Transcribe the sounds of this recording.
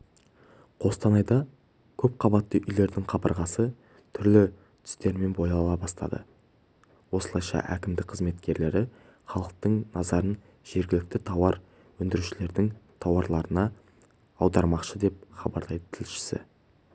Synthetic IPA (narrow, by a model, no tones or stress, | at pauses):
qʰo̞st̪ɑnɑjd̪ɑ | kʲʰɵp̚qʰɑbɑt̪ːəʔʏjle̞ɾd̪ɪŋqʰɑbə̰ɾʁɑsə | t̪ʰʏɾlɪ | t̪ʰʏ̥st̪e̞ɾme̞nbo̞jɑlɑlˠɑbɑst̪ɑ̰d̪ə̰ | wo̞səlˠɑjʃɑ̰ʔæ̰kʲɪmd̪ɪk̚qʰəzme̞t̪kʲe̞ɾle̞ɾɪ | χɑlˠəq̚t̪əɴnɑzɑɾən | ʒ̥e̞ɾɡʲɪlɪk̚t̪ɪt̪ʰɑwɑɾ | wɵnd̪ɪɾuʃɪle̞ɾd̪ɪŋt̪ʰɑwɑɾlˠɑɾənɑ | ɑwd̪ɑɾmɑqʃəd̪e̞p̚χɑbɑ̰ɾd̪ɑjd̪ət̪ʰɪlʃɪ̥sɪ̰